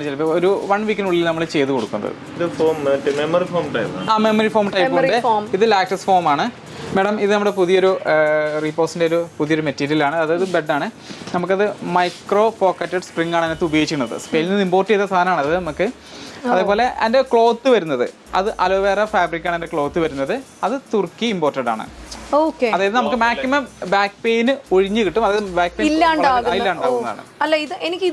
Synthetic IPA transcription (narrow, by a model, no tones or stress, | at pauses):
t͡ɕːelːoɾuʋɐɳʋikʲːɐnuɭːilnɐmːɐɭt͡ɕe̞jt̪ːuko̞ɽukːunːɐɐ̰ðɨ̰ | dɨfoːmmemɐɾifoːmʈɐjpa̰ːaːmemɐrifo̞ːmʈɐjpɣɐɾɖeomiðɨlaːk̚ʈɐsfo̞ːrmaːɳɨ | meːɽɐmiðɨnɐmuɽe̞puðijo̞ɾuriːpːo̞ːsindeoɾupuðijɐo̞ɾumetːiːɾiilaːɳɨɐðɨðɨbe̞ɖːaːɳɨ | nɐmuk̬ːɐðɨmɐjkro̞ːpo̞ːkːɐtːɐɖspriŋːaːɳɨɐnːet̪ːubɐjoit͡ɕːikʲːunːɐðɨ̰speːlinːɨimboːrtːiet̪ːɐst̪ʰaːnɐmaːɳɐðɨnɐmukːɨ | ɐðeːpoːle̞ʔɐnde̞kɭo̞ːt̪ːɨʋɐɾunːɐðɨ̰ | ɐðɨʔɐloːʋeːrɐfaːbrikʲːaːɳendekɭoːt̪ːɨʋɐɾunːɐðɨ | ɐðɨt̪urkːiːmbo̞ːrtːɐɖa̰ːɳɨ̰oːkeɐðaːjɐðɨnɐmukːɨmaːkːimɐmbaːkːpejnɨoɻiɲːɨkiʈːumɐðaːjɐðɨbaːk̚ːpejlːaːɳɖaːɣailːaːɳaːɣunɐða̰ːɳɨ̰ɐlːɐiðɨenikʲːið